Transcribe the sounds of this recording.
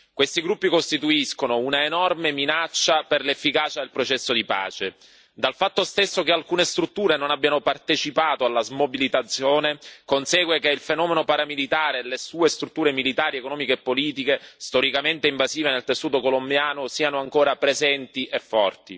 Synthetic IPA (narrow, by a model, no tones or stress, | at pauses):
kwest̪iɡɾupːikost̪it̪uiskonounaenɔrmeminat͡ʃːaperlefːikaːt͡ʃad̪elpɾot͡ʃɛsːod̪ipa̰ːt͡ʃe | d̪alfat̪ːost̪esːokealkuːnest̪ɾut̪ːuːɾenonabːjanopart̪et͡ʃipaːt̪oalːazmobilit̪at̪sːjoːnekonsɛːɡwekeilfenɔːmenopaɾamilit̪aːɾelesuːest̪ɾut̪ːuːɾemilit̪aːɾiekonɔːmikeːpːoliːt̪ikest̪oɾikament̪eiɱvaziːvenelt̪esːuːt̪okolombjaːnosiːanoaŋkoːɾapɾezɛnt̪iʔefːɔrt̪i